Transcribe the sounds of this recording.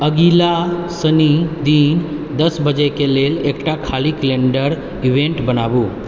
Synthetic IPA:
əɡilasənid̪iːnd̪əsbəd͡ʒekelelekʈakʰalikleɳɖəɾ | iʋẽɳʈbənaʋu

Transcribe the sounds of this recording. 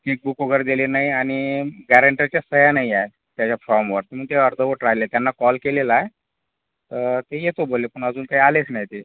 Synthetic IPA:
ʈik̚bukoɡəɾd̪elenaiaɽ̃iɡæɾəɳʈat͡ɕjasəjanaiae | t̪jat͡ɕjafɾɔmʋəɾt̪em̤əɡ̚t̪eəɾd̪ʱəʋəʈɾajlet̪janːakɔlkelelaae | t̪əɾt̪ejet̪obolːepəɳ̃ad͡zuːnkaɦialet͡snajt̪e

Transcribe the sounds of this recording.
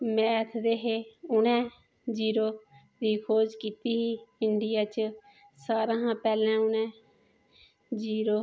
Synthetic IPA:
mɛːt̪ʰd̪eːɦeːʊnɛ̃ː | d͡ʒiːɾoː | d̪iːkʰoːd͡ʒkiːt̪iːɦiːɪɳɖɪjaːt͡ʃ | saːɾãːɦãːpɛːlɛ̃ːʊnɛ̃ː | d͡ʒiːɾoː

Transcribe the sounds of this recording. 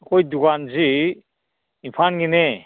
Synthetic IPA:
kɔjduɡanzi | ipʰanɡine

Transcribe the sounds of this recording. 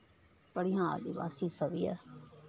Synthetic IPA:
pəɽijãːd̪iːʋa̰ːsiːsəʋiːɛ̰ː

